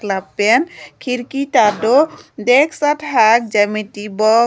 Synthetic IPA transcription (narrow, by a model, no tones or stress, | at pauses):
klabːɛnkʰiɾkit̪adod̪ɛkʰsatʰɦak̚d͡ʒamitibɔ